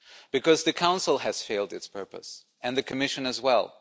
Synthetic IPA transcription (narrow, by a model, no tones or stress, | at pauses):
b̥ɨkʌzðɨkʰãʊ̃nsl̩ˠɨz̥feɪlˠdɨtspʰɜ˞pə̰s | ɨ̃nðɨkʰɨmɪʃɨ̃nɨzwɛ̰lˠ